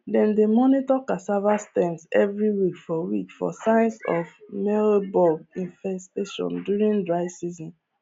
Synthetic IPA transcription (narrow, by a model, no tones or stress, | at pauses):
dɛ̃ndemɔnitɔkasavastɛ̃nsɛvɹiwikfɔwikfɔ̰sãɪ̃nsɔ̰fmɛɹobɔɡĩnfɛsteʃɔ̰̃ndjuɹĩŋdɹaɪsizɔ̃n